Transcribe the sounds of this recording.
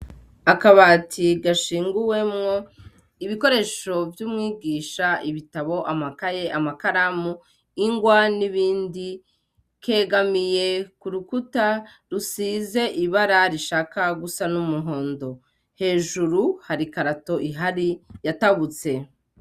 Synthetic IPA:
akaβaːtʰiɡaʃiːŋɡuwe̞mŋo̞ | iβiko̞ɾe̞ʃo̞vjuːmŋiːɡiːʃaiβitaβo̞ʔamakaje̞ʔamakaɾamu | iŋɡwaniβiːndi | kʰe̞ːɡamije̞kuɾukuta | ɾusiːze̞ʔiβaɾaɾiʃaːkaɡusanumuɦo̞ːndo̞ | he̞ːʒuɾuhaɾikaɾato̞ʔiɦaɾijataβut͡se̞

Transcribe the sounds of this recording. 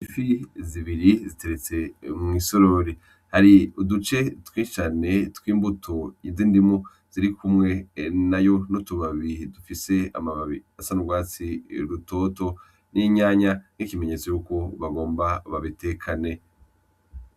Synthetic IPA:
ifiziβiɾizite̞ɾet͡se̞mŋiːso̞ɾo̞ɾi | haɾiudut͡ʃe̞twiːt͡ʃane̞twiːmbutʰojiziːndimo | z̥iɾikumŋe̞najo̞notuβaβidufise̞a̰maβaβiasanubɡwaːt͡siɾuto̞ːto̞ | nʔiɲaːɲan̥ikime̞ɲe̞t͡so̞juːko̞βaɡo̞ːmbaβaβite̞kʰane̞

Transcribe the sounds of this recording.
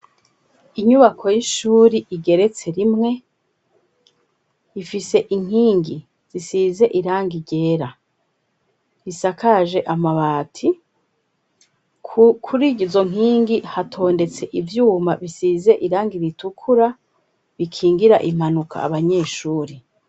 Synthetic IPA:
iɲuβakʰo̞jiʃuːɾiʔiɡe̞ɾe̞t͡se̞ɾimŋe̞ | ifise̞ʔiŋ̥ɦiːŋɡi | z̥isize̞ʔiɾaːŋɡiɟe̞ːɾa | isakʰaʒe̞ʔamaβaːtʰi | kʰuɾiɟizo̞ŋ̥ɦiːŋɡihatʰo̞ːnde̞t͡se̞ʔivjuːmaβisiːze̞ʔiɾaːŋɡiɾitukʰuɾa | βikʰiːŋɡiɾa̰ʔim̥anukʰa̰ːβaɲe̞ːʃuːɾi

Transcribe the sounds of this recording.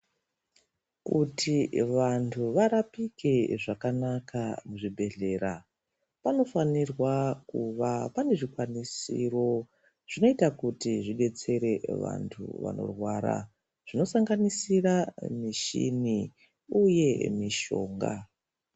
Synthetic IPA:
kutʰiʋantʰuʋaɾapike̞ʐakanakʰamuʐibʱe̞ɮe̞ɾa | pano̞fanirwakuʋapane̞ʐikwanisḭːro̞ | ʐ̥ino̞itakutiʐiɗe̞t͡se̞ɾe̞ʋa̰ntʰṵʋa̰no̞̰rwaɾa̰ | ʐ̥ino̞saŋɡanisiramiʃḭni | uje̞miʃo̞̰ːŋɡa̰

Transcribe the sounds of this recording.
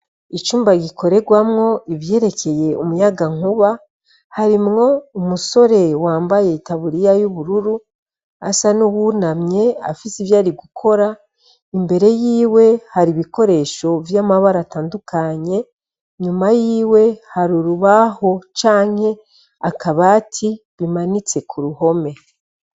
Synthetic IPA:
it͡ʃuːmbaɡikʰo̞ɾe̞ɡwamŋo̞iβje̞ːɾe̞cʰe̞je̞umujaɡaŋuβa | haɾimŋo̞umuso̞ɾe̞waːmbaje̞taβuɾijajuβuɾuɾu | asanuβunamɲe̞a̰fisivjaːɾiɡukʰo̞ɾa | imbe̞ɾe̞jiːwe̞haɾiβiko̞ɾe̞ːʃo̞vjamaβaɾataːndukʰaɲe̞ | ɲumajiːwe̞haɾuɾuβaho̞t͡ʃaːŋ̥he̞ | akaβaːtʰi | βimanit͡se̞kʰuɾuɦo̞me̞

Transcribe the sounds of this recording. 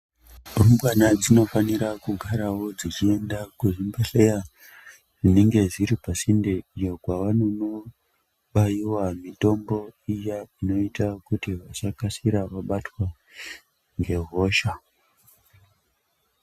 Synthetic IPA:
mumbwanad͡zino̞faniɾakuɡʱaɾawo̞d͡zit͡ʃie̞ndakuʐimbaɬeja | ʐine̞ŋɡe̞ziɾipasindeijokwaʋanono | ɓajiwamito̞mbo̞ijaino̞itakutiʋasakasiɾaʋaɓatwa | ŋɡe̞ɦo̞ʃa

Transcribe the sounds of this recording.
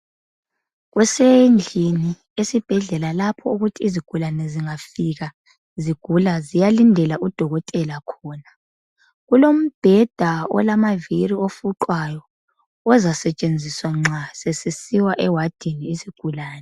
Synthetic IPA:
ɣwɛsend͡ɮʱini | esib̥ʱɛɮɛlalapʰɔuɣutʰiːziɡ̥ʱulanɛziŋafiɣa | ziɡ̥ʱulazijalindʱɛlaʔud̥ʱɔɣɔtʼɛlakʰɔːna | ɣulom̩b̥ʱɛd̥ʱaɔ̰lamaviriofuǃwajɔ | ɔzasɛt͡ʃʼend͡zʱiswaŋ͡ǁʱasɛsisiwaʔɛwad̥ʱiniːziɡ̥ʱulaːnɛ

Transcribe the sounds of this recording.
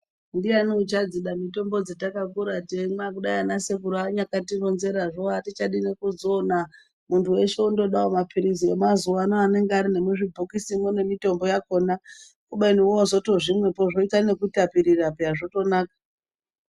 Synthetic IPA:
ndianiut͡ʃad͡ziɗamito̞mbo̞d͡zetakakuɾatemakuɗajanasekuɾaɲakatiro̞nze̞ɾaʐoatit͡ʃaɗine̞kuzoːna | muntʰuwe̞ʃe̞undo̞ɗaomapʰiɾiziemazuwanoane̞ŋɡeaɾine̞muʐibʱokisimone̞mito̞mbo̞jako̞ːna | kuɓainiwoozo̞to̞ʐimwe̞poʐo̞itane̞kutapiɾirapeaʐo̞to̞naːkḁ

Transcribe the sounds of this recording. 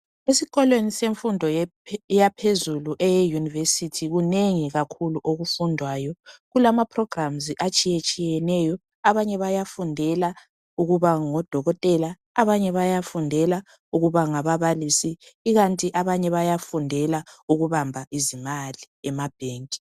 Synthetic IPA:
esiɣɔlweniseɱfundʱɔjapʰezuluʔɛjɛjunivesitʰiɣuneŋiɣakʰuluʔoɣufundʱwaːjɔɣulamapʰrɔɡ̥ramziʔat͡ʃʼijet͡ʃʼijɛnɛjɔ | aβaɲɛβajafundʱɛla | uɣuβaŋɔd̥ʱɔɣɔtʼɛlaː | βaɲɛβajafundʱɛla | uɣuβaŋaβaβalisiːɣantʼiʔaβaɲɛβajafundʱɛlauɣuβambʱaʔizimali | ɛmab̥ʱeːŋkʼi̥

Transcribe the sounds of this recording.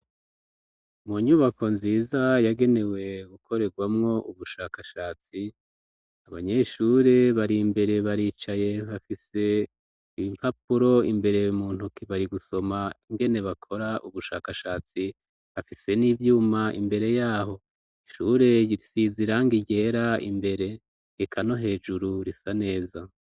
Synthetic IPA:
muɲuβakʰo̞nziːzajaɡe̞ne̞we̞ɡukʰo̞ɾe̞ɡwamŋo̞ʔuβuʃaːkaʃaːt͡si | aβa̰ɲe̞ʃuɾe̞βaɾimbe̞ɾe̞βaɾiːt͡ʃaje̞βafise̞ | imhap̚uɾo̞imbe̞ɾe̞jumuːn̥ukiβaɾiɡuso̞maiŋɡe̞ne̞βakʰo̞ɾaʔuβuʃa̰ːkaʃaːt͡si | βafise̞niːvjuːmaʔḭmbe̞ɾe̞jaːho̞ | iʃuɾe̞iɾisiziɾaŋɡiɟe̞ɾaḭmbe̞ɾe̞ | ekʰano̞ɦe̞ːd͡ʒuɾuɾisane̞ːza

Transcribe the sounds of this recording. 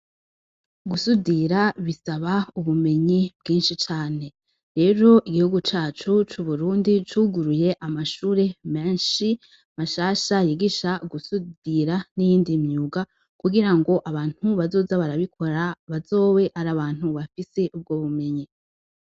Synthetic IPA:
ɡusudiɾaβisaβauβume̞ɲib̥ɡiːnʃit͡ʃaːne̞ | ɾe̞ːɾo̞ʔiɡihuɡut͡ʃaːt͡ʃut͡ʃuβuɾuːndit͡ʃuːɡuɾuje̞ʔamaʃuːɾe̞me̞ːnʃi | maʃaːʃajiɡiʃaɡusudiɾanijiːndimɲuːɡa | kuɡiɾaŋɡo̞ʔaβaːn̥huβazo̞ːzaβaɾaβikʰo̞ɾaβazo̞ːwe̞ʔaɾaβaːn̥huβafise̞ʔub̚ɡoːβume̞ɲi

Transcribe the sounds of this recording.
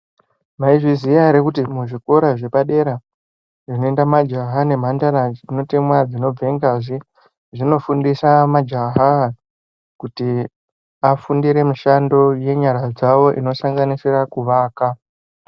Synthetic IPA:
maiʐizijaɾekutimuʐiko̞ɾaʐe̞paɗe̞ɾa | ʐino̞endamad͡ʒaɦane̞m̤andaɾaino̞temwad͡zino̞b͡vʱe̞ŋɡaʐi | ʐino̞fundisamad͡ʒaɦa | kuti | afundiɾe̞muʃando̞je̞ɲaɾad͡zawo̞ʔino̞saŋɡaniserakuʋaːka

